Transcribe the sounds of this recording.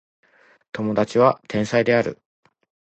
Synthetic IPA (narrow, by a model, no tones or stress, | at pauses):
t̪o̞mo̞d̪at͡ɕiβ̞at̪ʰẽ̞ɰ̃said̪e̞aɾɯ̟̰